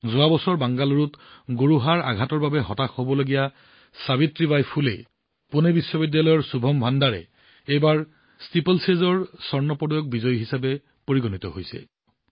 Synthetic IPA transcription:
zʊabɔsɔɹbaŋɡaluɹutɡoɹuɦaɹaɡʱatɔɹbabɛɦɔtakhobɔloɡija | sabitɹibajpʰulḛ | punebisːɔbidːalɔjɔɹsubʱɔmbʱandaɹɛ̰ | ejbaɹ | stipelsezɔɹsɔɹnɔpɔdɔjɔk̚bizɔjɦisabɛ | poɹiɡɔnitɔ̰ɦojsɛ̰

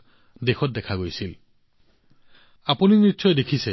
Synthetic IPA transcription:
d̪exʰɔt̚d̪ekʰaɡojsil | apuninitːsɔjd̪ekʰise

